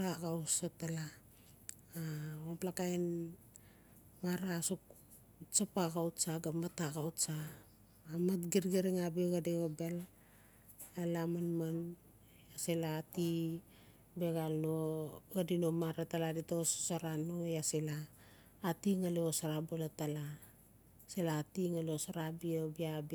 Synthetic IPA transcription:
aɡawsatalaː | oplakajn | maɾaːsok | t͡ʃapaɣawtt͡ʃaɡamataɣawtsaː | matɡiɾɡeɾiŋabeɡadeobel | alamanman | aselaːti | beɡalnoɡadino̞maɾataladitooso̥saɾanojaselaː | tiŋaleosaɾabolatala | selaːtiŋaleosaɾabiobiab

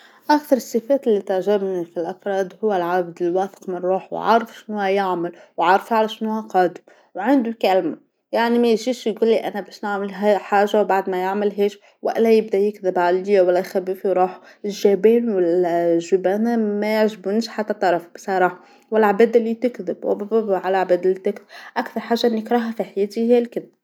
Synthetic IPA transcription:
ʔækθɑɾˤɨsˤːɨfɛːt̪ɪlːit̪ɪʕʒɪbnifilʔɑfɾˤɑːd̪hʊwːælʕab̚d̪ɪlwæːθə̥qmɪnɾˤuːħw̰ʕa̰ɾˤəfʃnhʊhæjaʕmɪlwʕɑɾˤfʕalæʃnhʊhæqɑːd̪ɪm | wʕand̪ukælma | jaʕnimæjʒiːʃjɡuːlːiʔænæbɛːʃnaʕmɪlɦæħaːʒawbaʕd̪mæjaʕmɪlɦɛːʃ | wæ̰ʔlæjɪbd̪æjɪkðɪbʕalijwælːæjxæbiːfjɾˤuːħ | ɪʒæbɛːnwɪlʒubænæmæjɪʕʒɪbunʃħat̪ːæt̪ˤːɑɾˤɑfbsˤɑɾˤɑːħɑ | wɪlʕabæːd̪ɪlːit̪ɪkðɪbwɪ̰bæbæbʕalʕbæːd̪ɪlːit̪ɪkðɪbʔakθɑɾˤħaːʒːaʔɪnːɪkɾˤɑɦafiħjeːt̪ihjælkɪðɪb

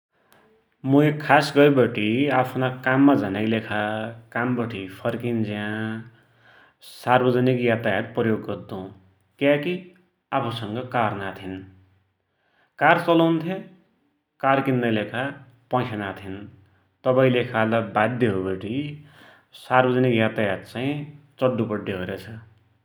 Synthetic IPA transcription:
muekʰasɡʌjbʌʈiapʰnakamːad͡zʌnajlekʰakambʌʈʰipʰʌrkind͡zã | sarbʌd͡zʌnikjat̪ajat̪̚prʌjoɡːʌrd̪ũ | kjaki | apʰusʌŋɡʌkarnat̪ʰin | kart͡sʌlʌwnt̪ʰje | karkinːʌjlekʰa | pãjsʰanat̪ʰin | t̪ʌpaĩlekʰalʌbad̪ʱjeɦobʌʈi | sarbʌd͡zʌnikjat̪ajat̪̚t͡sãĩt͡sʌɖːupʌɖːeɦoɾet͡sʰʌ

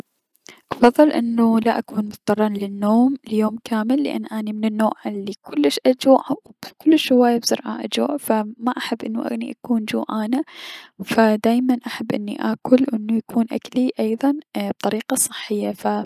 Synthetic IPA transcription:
ʔɑfɑðˤːɨlʔɪnːulaʔakuːnmʊt̪d̪ɑrˤːɑːnlɪnːoːmɪljoːmkʰaːmɪlːɪʔa̰nːʔaːnimɪnɪnːoːʕʔalːikʊlːɪʃʔad͡ʒuːʕawkʊlːɪʃʊwaːjabsʊɾˤʕa̰ʔa̰d͡ʒṵːʕfamaʔaħabːʔɪnːuʔa̰ɣnḭʔakuːnd͡ʒṵːʕaːnafad̪aːjmanʔaħabːʔɪnːḭʔa̰ːkʊlwʔɪnːujakʰuːnʔa̰kliʔɑjðˤɑnb̚t̪ˤɑɾiːqɑsˤɨħːɪjːafa

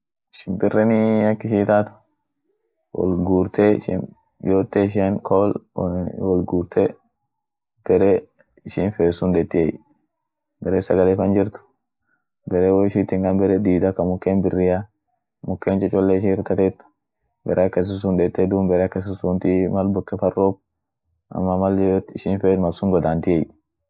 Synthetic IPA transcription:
ɪʃɪ̥nbɪrːɛnɪɐkːɪʃiːt̪aːt̪ʊ̥ | wɔ̰lɡuːɾt̪eʃɪ̰n | joːt̪ːeːɪʃ̬enkʰol | wɔlɡuːɾt̪ʰe | b̥ɛɾɛ | ɪʃɪnfeːsːʊnd̪ɛt̪ːɪej | bɛɾeːsɐɡɐlefɐnd͡ʒɪɾt̪ʊ̥ | bɛɾɛwɔɪʃɪt̪ːɪŋkɐnbɛɾɛd̪iːd̪ɐkɐmʊkːeːnbɪrːɪja | mʊkːeːnt͡ʃʼɛt͡ʃʼɔlːeɪʃɪɪɾt̪ɐt̪ɛt̪ːʊ̥ | bɛ̰ɾʔekːɐs̬ɪs̬ʊnd̪ɛːt̪ːɛd̪uːmbɛɾɛkːɐs̬ʊsʊnt̪imɐlbɔkːɛfɐrːoːb̚ | ʔɐ̰mːɐmɐljoːt̪ɪʃɪnfeːt̪mɐsʊŋɡɔd̪aːnt̪ɪej

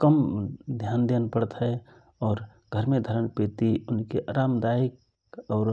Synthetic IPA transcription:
kəmd̪ʱjaːnd̪enpəɽət̪ɦɛ | ɔːɾ | ɡʱəɾmẽd̪ʱəɾəɳpeːt̪iʊnkeʔaɾaːmd̪aːik | ɔːɾ

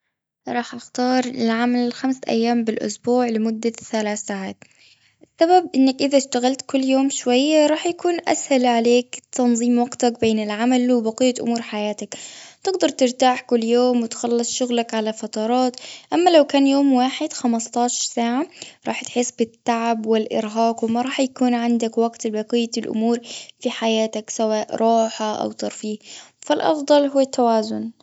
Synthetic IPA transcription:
ɾˤɑːħʔaxt̪ɑːɾˤɪlʕamalɪxamsʔa̰jːaːmbɪlʔʊ̰sbuːʕlɪmʊd̪ːaθalaːθaːʕaːt̪ | ʔɪsːababʔɪnːakʔɪðaʃt̪aɣalt̪kʊlːjoːmʃwajːaɾˤɑːħjakuːnʔa̰shalʕaleːkt̪ɑnðˤiːmwɑɡt̪ak̚beːnɪlʕamalwɪbɑqɪjːaʔʊ̰muːɾħajaːt̪akt̪ɪɡd̪ɑɾˤt̪ɪɾt̪aːħkʊlːjoːmwɪt̪xɑlːɨsˤʃʊɣlakʕalafɑt̪ɑɾˤɑːt̪ʔamːalawkaːnjoːmwaːħɪd̪̥xamɑst̪ˤɑːʃɑɾˤsaːʕaɾˤɑːħt̪ħɪsːbɪt̪ːaʕbwɪlʔɪ̰ɾɦaːqwɪmɑɾˤɑːħjakuːnʕɪnd̪akwaɡt̪bɑqɪjːalʔʊ̰muːɾfiħajaːt̪aksawaːʔɾˤɑːħaʔa̰wt̪ɑɾˤfiːhfalʔɑ̰fd̪ˤɑlɦʊwːat̪ːawaːzʊn

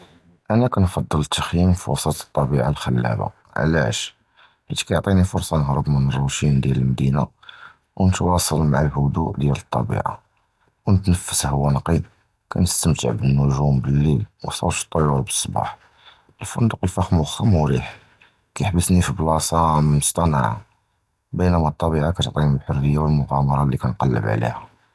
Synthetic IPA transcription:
ʔænækænfɑd̪ˤːəlt̪ːəxjimfiwɑsˤɑt̪ə̥t̪ˤːɑbiʕalxəlːæ̰ba̰ | ʕlæ̰ʃ | hḭt̪kæjʕt̪ˤinifʊɾsˤɑnəɦɾəbmənərˤːut̪ind̪jæləlmd̪ina̰ | wnət̪wɑsˤəlmaʕalhʊd̪ṵʔd̪jælət̪ˤːɑ̰bḭʕa̰ | wnət̪nəfːəshəwːænqim | kæ̰nəst̪əmt̪ə̰ʕbənːʊʒumbəlːilwsˤɑ̰ʃt̪ˤːəjuɾbə̥sˤːbɑ̰ħ | ʔəlfənd̪əqəlfæxmxːəmuɾiħ | kæjəħbəsnifiblɑsˤɑmmʊst̪ˤɑna̰ʕa̰ | bənæmæt̪ˤːɑbiʕakæt̪oʕt̪ˤiniblħʊrːəjːawəlmʊɣɑmɑɾˤɑlːikænqɑlːə̰bʕ̰lḭhæ

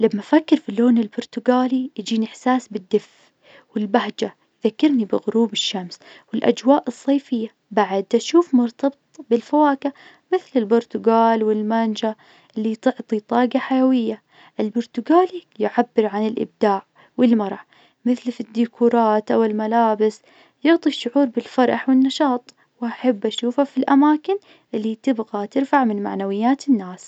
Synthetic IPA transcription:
lamːafakːɪɾfiloːnɪlbʊɾˤt̪ʊɡaːliʔd͡ʒiːnɪħsaːsbɪd̪ːɪf | wɪlbaɦd͡ʒa | jðakːɪɾnibɪɣʊɾuːbɪʃːamswɪlʔa̰d͡ʒwaːʔɨsˤːɑːfɪjːa | baʕad̪aʃuːfmʊɾt̪ɑbɨtt̪ˤbɪlfawaːka | mɪθlɪlbʊɾˤt̪ʊɡaːlwɪlmand͡ʒa | ʔɪlːit̪ɪʕt̪ˤit̪ˤɑːɡaħajawɪjːa | ʔɪlbʊɾt̪ʊɡaːlijʊʕabːɪɾʕanɪlʔɪ̰b̚d̪̥aːʕ | wɪlmɑɾˤɑ | mɪθlfid̪ːikʰuːɾˤɑːt̪ʔawɪlmalaːbɪs | jʊʕt̪ˤiʃːʊʕuːɾbɪlfɑɾˤʔɑħwɪnːɑʃɑːt̪ˤ | wʔaħabːʔaʃuːfhafilʔamaːkɪn | ʔɪlːit̪ɪbɣat̪ɪɾfaʕmɪnma̰ʕnawɪjːaːt̪ɪnːaːs

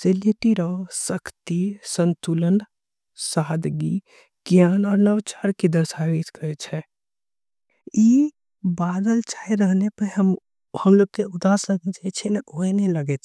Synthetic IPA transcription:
selit̪iɾəsəkʰt̪isənt̪ulən | saːd̪ɡi | ɡ̥janɔːɾnəʋt͡ʃaɾkid̪əɾsaʋit̪kəɾɛt͡ʃʰɛ | i | bad̪əlt͡ʃaiɾəɦnepəɾɦəm | həmloɡ̚k̪eʊd̪asəkɛt͡ʃat͡ʃʰɛnʔoenəiləɡɛt͡ʃʰɛ

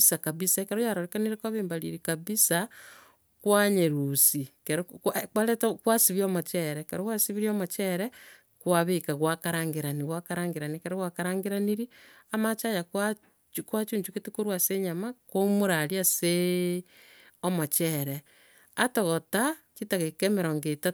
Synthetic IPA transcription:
sakaβisakeɾojaɾoɾekaniɾekwaβeːmbaɾḭɾikaβisa | kwaɲeɾusikeɾkwaɾetakwasiβiomot͡ʃɛɾɛkeɾowasiβiɾiomot͡ʃɛɾɛ | kwaβekaɣwakaɾaːŋɡeɾaniɣwakaɾaːŋɡeɾanikeɾoɣwakaɾaːŋɡeɾaniɾiamat͡ʃajaka | kwat͡ʃuːɲt͡ʃuketekoɾwaseɲamakomoɾaɾjase | omot͡ʃɛɾe | atoɣotat͡ʃitaɣekemeɾoŋɡeta

